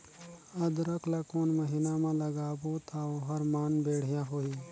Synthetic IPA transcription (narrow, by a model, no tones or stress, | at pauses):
ɐd̪ɾɐklakoːnməɦinamãlɐɡaːbot̪ʰaoɦɐɾmaːnbeːɽ̤jaɦoːiː